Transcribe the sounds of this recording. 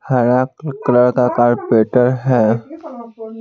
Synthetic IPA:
haɾakkɾəɽkakaːɾpeːʈəɾɦɛː

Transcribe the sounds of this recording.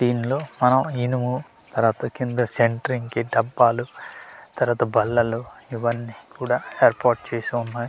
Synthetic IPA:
siːnlo̞ːmɐnɐminumu | t̪ɐɾʋaːt̪ɐkind̪uɾɐse̞ɳʈɐɾiŋkiɖɐbːaːlut̪ɐɾʋaːt̪ɐbɐlːɐluiʋɐnːiːkuːɽaːeːɾpaːɾʈ̚t͡ʃeːsuunːaːji

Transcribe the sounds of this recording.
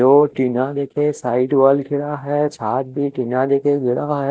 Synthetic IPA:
oːʈinad̪eːkʰẽsaːɪɖʋalkɪɽaɦɛt͡ʃʰaːt̪̚bʱiʈiːnad̪eːkʰeɡʱɪɽaɦɛ

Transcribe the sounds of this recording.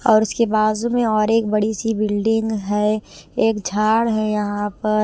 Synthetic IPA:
ɔːɾʊskebaːzumẽɔːɾeːk̚bɐɽisibɪlɖɪ̃ŋɡɦɛeːkd͡ʒʱaːɽɦɛjɐɦãpɐɾ

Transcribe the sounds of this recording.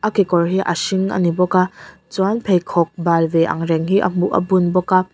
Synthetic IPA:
ʔakikɔrɦiʔə̰siŋʔə̰nibɔka | t͡swanpʰejkʰɔk̚balvɛʔɐ̰ŋɾɛŋɦiʔə̰m̥uʔə̰bunbɔka

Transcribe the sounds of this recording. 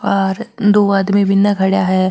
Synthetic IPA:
ɔːɾd̪oːaːd̪mibʱɪnːaɡʰʱɐɽjaɦɛː

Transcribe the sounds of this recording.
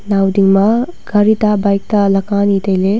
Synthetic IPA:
nawdiŋmɐ | ɡ̥aɾitabajk̚tɐlɐkanitɐjle

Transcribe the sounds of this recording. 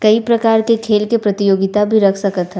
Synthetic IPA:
kɐipɾɐkaːɾkekʰeːlkepɾɐt̪ijoːɡɪt̪abʱiɾɐkʰsɐkət̪ɦɛ

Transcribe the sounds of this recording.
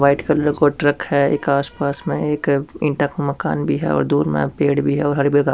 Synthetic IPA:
ʋaːɪʈkəlkoʈɾəkhɛḛːkaːspaːsmẽeːkɪ̃ɳʈakomɐka̰ːnbʱiɦɛ̰ɔ̰ːɾd̪uːɾmḛ̃peːɽbʱiɦɛɔːɾɦɐɾbɪɡa

